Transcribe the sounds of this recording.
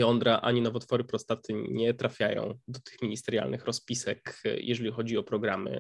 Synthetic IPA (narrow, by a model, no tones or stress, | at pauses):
jɔnd̪ɾaʔa̰ɲinɔvɔt̪fɔɾɘpɾɔst̪at̪ɘɲɛt̪ɾafʲjajɔ̰̃w̃d̪ɔt̪ɘ̥xmʲiɲist̪ɛɾja̰lnɘxɾɔspʲisɛkjɛ̰ʐɛlʲixɔd͡ʑiɔpɾɔɡɾamɘ̰